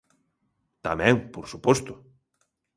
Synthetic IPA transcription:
t̪amɛ̃ŋpoɾsupɔst̪ʊ

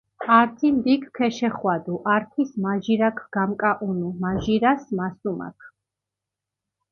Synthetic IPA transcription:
aɾt̪ʰind̪ikʰkʰːɛʃɛχwad̪uʔaɾpʰwismaʒiɾakʰɡ̥amkʼaʔunumaʒiɾasmasuma̰kʰ

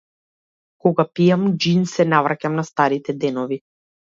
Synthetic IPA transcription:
kɔɡapijamd͡ʒinsɛnavɾacamnast̪aɾit̪ɛd̪ɛnɔvi

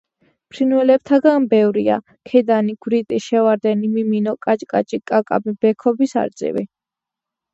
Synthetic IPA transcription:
pʰɾinwɛlɛb̚t̪ʰaɡanbɛvɾia̰ | kʰɛd̪aniɡ̥wɾit̪ʼiʃɛvaɾd̪ɛnimiminɔkʼat͡ʃʼkʼa̰t͡ʃʼikʼakʼa̰bibɛkʰɔbisa̰ɾd̪sʼḭvḭ

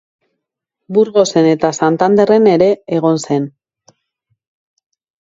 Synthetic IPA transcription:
buɾɣo̞se̞ne̞t̪asant̪and̪e̞re̞ne̞ɾe̞ːɣ̞o̞nse̞n

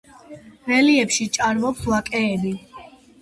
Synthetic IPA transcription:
vɛliɛpʃit͡ʃʼaɾmɔpswakʼɛːbi

